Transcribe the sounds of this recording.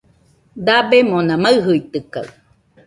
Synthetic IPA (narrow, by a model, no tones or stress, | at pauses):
d̪abemonãmaɯɦɯit̪ɨka̰